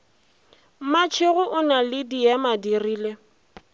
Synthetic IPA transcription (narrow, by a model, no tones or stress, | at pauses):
mat͡ʃʰɪɣʊʔʊnalɪdijamadiriːle